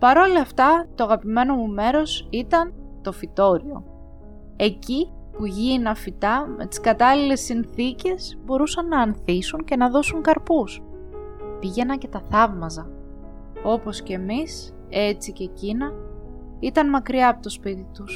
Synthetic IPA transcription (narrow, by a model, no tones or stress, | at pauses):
pɐɾo̞lɐːft̪ɐt̪oɐɣɐpime̞no̞mume̞ɾo̞sit̪ɐnt̪o̞fit̪o̞ɾio̞̰ | e̞cipuʝinɐfit̪ɐme̞t̪i̥skɐt̪ɐlile̞sːinθice̞sbo̞ɾusɐnːɐːnθisunce̞nɐðo̞suŋkɐɾpus | piʝe̞nɐɲcet̪ɐθɐvmɐzɐ | o̞po̞sce̞mis | e̞t͡sice̞cinɐ | it̪ɐnmɐkɾiɐːpo̞t̪o̞spit̪it̪us